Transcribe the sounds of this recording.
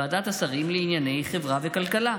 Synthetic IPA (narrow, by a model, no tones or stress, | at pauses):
aːd̪at̪asaʁimleinjane̞jχevʁavekalkala